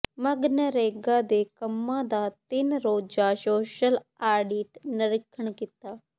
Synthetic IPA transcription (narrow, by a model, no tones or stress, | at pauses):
mɐɡnəɾeːɡad̪eːkɐmːãd̪at̪ɪnɾoːd͡ʒaʃoːʃəlaːɾɖiːʈnɐɾɪkʰːəɳ̃kɪt̪aː